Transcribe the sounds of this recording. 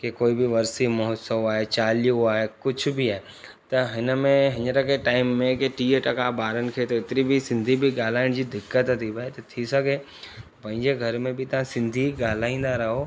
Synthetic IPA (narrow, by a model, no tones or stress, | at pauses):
kekoːibɪʋɐɾsimɔɦsəwaːɦet͡ɕaːlijuaːɦekʊd͡ʑʱʊ̆bɪaːe | t̪ɐɦɪnəmẽɦɪnəɾɐkeʈaːɪmːẽkeʈiːəʈɐkabaːɾənɪ̆kʰeːt̪ɐɪt̪ɪɾibʱɪsɪ̃nd̪ʱibɪɠaːl̤aːɪɽ̃d͡ʑiːd̪ɪkːət̪t̪ʰiʋɐɦet̪ɐt̪ʰisɐɡʱe | t̪ɐpɐ̃ɦɪ̃ɲd͡ʑeɡʱɐɾmẽbɪt̪ɐʋ̤ãsɪ̃nd̪ʱiɠaːl̤aːĩːnd̪aɾɐɦo